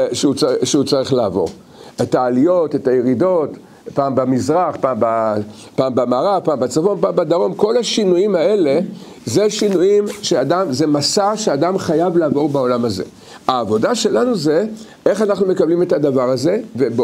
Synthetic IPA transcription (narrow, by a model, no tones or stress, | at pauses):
ʃeut͡saʃeut͡saʁiχlaavo̞̰ʁ | etaːlijo̞tetajeʁido̞t | paːmbamizʁaχpaːmba | paːmbamaːʁapaːmbat͡safo̞npaːmbad̪aʁo̞mko̞laʃinujimae̞le̞ | ze̞ʃinujimʃeadamzemasaʃead̪amχajavlaːvo̞ʁbao̞lamaze̞̰ | aːvo̞daʃe̞lanuze̞ | e̞χanaχnume̞kablime̞tad̪avaʁaze̞veb